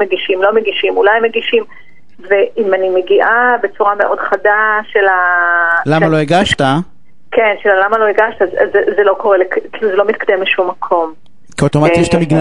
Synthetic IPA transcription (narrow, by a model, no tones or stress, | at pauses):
eɡiʃimlo̞meɡiʃimulajmeɡiʃim | veʔimanimeɡiʔabe̞t͡suʁameʔo̞dχadaʃelalamalo̞eɡaʃt̪a | kenʃelalamalo̞eɡaʃt̪azazezelo̞ko̞ʁelekkiluzelo̞mit̪̚kadembleʃumːakʰo̞m | kiot̪omatɛʃt̪amiɡn